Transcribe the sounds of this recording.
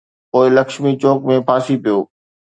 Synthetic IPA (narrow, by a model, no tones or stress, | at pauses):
poːɪlɐkʃmit͡ɕoːkmẽpʰaːsipijoː